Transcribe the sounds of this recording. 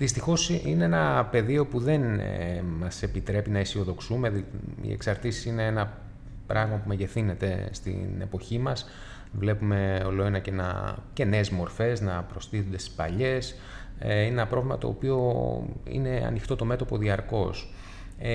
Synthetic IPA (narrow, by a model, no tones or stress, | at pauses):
ðist̪ixo̞sine̞enɐpe̞ðio̞puðe̞nmɐse̞pit̪ɾe̞pinɐisio̞ðo̞ksumeḭḛksɐɾt̪isisine̞enɐ | pɾɐɣmɐpumeʝe̞θine̞t̪e̞st̪ḭne̞̰po̞çimɐs | vle̞pume̞o̞loenɐcenɐ̰ce̞neːzmo̞ɾfe̞znɐpɾo̞st̪iθund̪e̞st̪i̥spɐ̰ʎe̞s | ineenɐpɾo̞vlimɐt̪o̞ːpio̞ḭne̞ɐ̰nixt̪o̞t̪o̞me̞t̪o̞po̞ðiɐɾko̞s